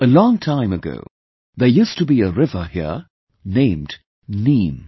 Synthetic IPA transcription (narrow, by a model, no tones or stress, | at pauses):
əlɔ̃ŋtʰãɪ̃məɡo̰ʊ | ðəjustəbiəɹɪvəhiə | nẽɪ̃md | nĩːm